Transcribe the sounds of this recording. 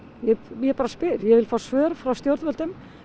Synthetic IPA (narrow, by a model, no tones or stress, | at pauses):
jɛjɛpaːɾaspɪɾjɛvɪlfaːsvœːɾfɾawst̪jowɾðvœlt̪ʏm